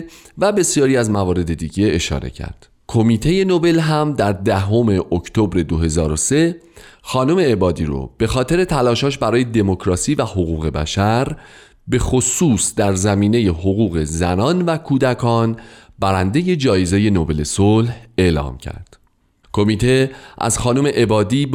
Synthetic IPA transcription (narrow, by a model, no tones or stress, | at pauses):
væbe̞sjɒːɾiːæzmævɒːɾe̞d̪e̞d̪iːɟe̞ːʃɒ̰ɾe̞̰cʰæ̰ɾd̪̥ | kʰo̞miːt̪ʰe̞je̞no̞be̞lɦæmd̪æɾd̪æɦo̞me̞ʔoct̪ʰo̞bɾe̞d̪oɦe̞zɒːɾose̞ | xɒːnome̞ːbɒːd̪iːɾo̰b̥e̞xɒːt̪ʰe̞ɾe̞t̪ʰælɒːʃɒːʃ̬bæɾɒːje̞d̪e̞mocʰɾɒːsiːvæhoɣuːɣe̞bæ̰ʃæɾ | be̞xo̞suːsd̪æɾzæmiːne̞je̞ɦoɣuːɣe̞zænɒːnvækʰuːd̪ækʰɒːnb̥æɾænd̪e̞je̞d͡ʒɒːjezeje̞nobe̞le̞solhe̞lɒ̰ːmcʰæ̰ɾd̪̥ | kʰo̞miːt̪ʰe̞ʔæ̰z̥xɒːnome̞ʔebɒːd̪iː